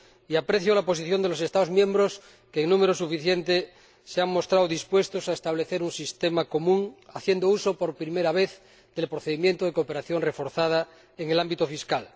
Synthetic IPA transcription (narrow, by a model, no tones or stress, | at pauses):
iapɾeθjolapo̞siθjo̞nd̪elo̞se̞st̪aðomjẽmbɾos | keːŋnũme̞ɾosufiθjent̪e | seaŋmo̞st̪ɾawðispwe̞st̪osaest̪aβ̞le̞θeɾunsist̪emako̞mũŋaθje̞nd̪ousopoɾpɾimeɾaβ̞eθ | ðe̞lpɾoθeðimjent̪oðekoːpe̞ɾaθjo̞nre̞fo̞ɾθað̞a | eŋelambit̪ofiskal